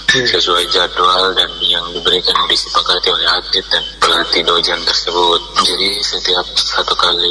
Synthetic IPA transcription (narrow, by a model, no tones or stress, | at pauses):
səsuajd͡ʒadualdanjaŋdibəɾikandisəpakat̪iolɛɦad̪ɪt̪̚danpəlat̪idod͡ʒant̪ərsəbʊt̪̚d͡ʒadisət̪iap̚sat̪ukali